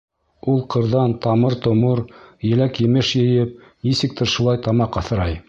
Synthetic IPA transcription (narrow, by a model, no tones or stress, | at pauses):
ulˠqɤ̆ɾðɑnt̪ɑmɤɾt̪ŏmɤɾjɘ̆lækjɘ̆mɘʃjɘ̆jɘp̚ | nisɘ̆k̚t̪ɘɾʃulˠɑjt̪ɑmɑqɑθɤ̆ɾɑj